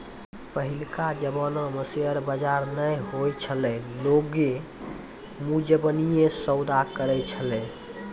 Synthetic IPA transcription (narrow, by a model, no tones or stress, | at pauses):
pəɦilkad͡ʒəbɔnɔ̃məseəɾbəd͡ʒaɾnəjɦojt͡ʃʰəlɛloɡe | mud͡ʒəbənijesəwd̪akəɾɛt͡ʃʰəlɛ̃